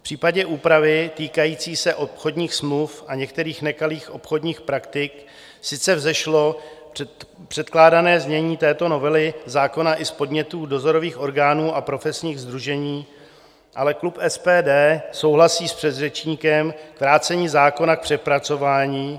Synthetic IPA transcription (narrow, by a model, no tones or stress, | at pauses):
pr̥iːpaɟɛʔuːpɾavɪt̪iːkajiːt͡siːsɛʔopxo̞dɲiːxsmlufʔaɲɛk̚t̪ɛɾiːxnɛkaliːxʔo̞pxo̞dɲiːxpɾakt̪ɪk | sɪt͡sɛvzɛʃlo̞ | ɛ | pr̥ɛt̪klaːdanɛːzɲɛɲiːt̪ɛːt̪o̞no̞vɛlɪzaːko̞naʔɪspo̞dɲɛt̪uːdo̞zo̞ɾo̞viːxʔo̞ɾɡaːnuːʔapɾo̞fɛsɲiːɣzd̪ɾuʒɛɲiː | ʔalɛklupɛspɛːdɛːso̞wɦlasiːspr̝̥ɛd̪rɛt͡ʃɲiːkɛmkvɾaːt͡sɛɲiːzaːko̞nak̚pr̥ɛpɾat͡so̞vaːɲiː